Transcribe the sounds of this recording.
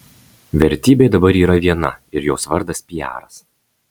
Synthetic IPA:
ʋʲɛɾʲt̪ʲiːbʲeɪd̪ɐbɐɾiːɾɐʋʲiɛnɐ̰ɪɾjoːsʋɐɾd̪ɐspʲɪjæ̰ːɾɐs

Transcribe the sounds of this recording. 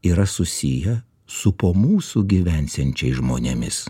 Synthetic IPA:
iːɾɐsʊsʲɪjɛ | sʊpoːmuːsʊɡʲiʋʲɛnʲsʲɛnʲt͡ʃʲɛɪsʒmoːnʲemʲɪs

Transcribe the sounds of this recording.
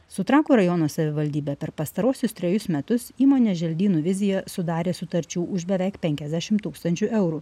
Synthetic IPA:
sʊt̪ɾɑːkuːɾɐjɔnoːsɐʋʲɪʋɐlʲd̪ʲiːbʲeːpʲɛɾpɐst̪ɐɾuɔsʲʊst̪ʲɾʲɛjʊsmʲɛt̪ʊsiːmoːnʲeːʒʲɛlʲd̪ʲiːnuːʋʲɪzʲɪjɛsʊd̪ɑːɾʲeːsʊt̪ɐɾʲt͡ʃʲuːʔʊʒbʲɛʋʲɛˑɪkpʲɛŋʲkʲɛzʲd̪ʲæʃʲɪmt̪uːkst̪ɐnʲt͡ʃʲuʔɛʊɾu

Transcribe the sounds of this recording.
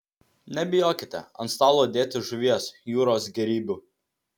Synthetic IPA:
nʲɛbʲɪjoːkʲɪt̪ʲɛ̰ɐ̰nst̪ɑːlˠoːd̪ʲeːt̪ʲɪʒʊʋʲiɛsjuːɾoːsɡʲɛɾʲiːbʲuː

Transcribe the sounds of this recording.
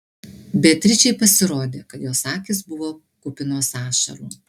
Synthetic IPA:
bʲɛt̪ʲɾʲɪt͡ʃʲɛɪpɐsʲɪɾoːd̪ʲeːkɐt̪joːsɑːkʲɪs̬bʊʋoː | kʊpʲɪnoːsɑːʃɐ̰ɾuː

